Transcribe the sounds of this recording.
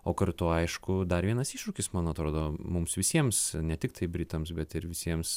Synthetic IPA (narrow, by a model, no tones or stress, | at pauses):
oːkɐɾt̪ʊɐɪʃkʊd̪ɐɾʋʲiɛnɐsiːʃɾʊkʲɪsmɐnɐt̪ɾoːd̪oːmʊmsʋʲɪsʲiɛmsnʲɛt̪ʲɪkt̪ɐɪbʲɾʲɪt̪ɐmsbʲɛt̪ɪɾʋʲɪsʲiɛms